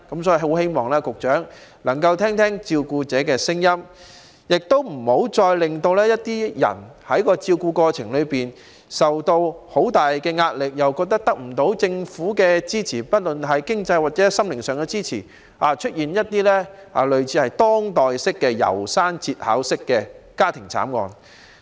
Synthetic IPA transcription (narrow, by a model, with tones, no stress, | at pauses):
kɐ˨˥msɔː˨˧˥i˧ho˨˥whe˥jmɔː˨ŋlɛː˥kʊ˨k̚t͡ʃœː˨˥ŋlɐ˨˩ŋkɐ˧wt̪ʰɛː˥ŋt̪ʰɛː˥ŋt͡siː˧wkuː˧t͡sɛː˨˥kɛː˧sɪ˥ŋjɐ˥m | jɪ˨k̚t̪o˥wm̩˨˩ho˨˥wt͡ʃɔː˧jlɪ˨ŋt̪o˧wlɛː˥jɐ˥t̚t̪iː˥jɐ̰˨˩nhɐ˨˥jkɔː˧t͡siː˧wkuː˧kɔː˧t͡sʰɪ˨˩ŋlɵ˨˧ɥpiː˨n | sɐ˨wt̪o˧who˨˥wt̪aː˨jkɛː˧ŋaː˧t̚lɪ˨k̚jɐ˨wkɔː˧k̚t̪ɐ˥k̚t̪ɐ˥k̚m̩˨˩t̪o˨˥wt͡sɪ˧ŋfuː˨˥kɛː˧t͡siː˥t͡sʰiː˨˩pɐ˥t̚lɵ˨nɦɐ˨jkɪ˥ŋt͡sɐ˧jwaː˨˩t͡sɛ˨˥sɐ˥mlɪ˨˩ŋsœː˨ŋkɛ˧t͡siː˥t͡sʰiː˨˩ | aː˨˩t͡ʃʰɵ˥t̚jiː˨njɐ˥t̚t̪iː˥lɛː˥a̰ː˨˩lɵ˨ɥt͡sʰiː˨˥hɐ˨jt̪ɔː˥ŋt̪ɔː˨jsɪ˥kːɛː˧jɐ̰˨˩wsaː˥nt͡siː˧t̚ha̰ː˨˥wsɪ˥kːɛː˧kaː˥t̪ʰɪ˨˩ŋt͡sʰa̰ː˨˥mŋɔ̰ː˨˧n